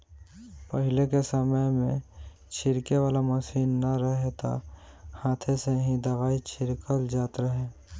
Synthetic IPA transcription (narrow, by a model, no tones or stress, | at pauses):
pəɦɪlekesəməjmẽ | t͡ʃʰɪɾkeʋaːlaməsiːnːɐɾəɦet̪a̰ | hãːt̪ʰeseɦĩd̪əʋaːit͡ʃʰɪɾkəld͡ʒaːt̪ɾəɦẽː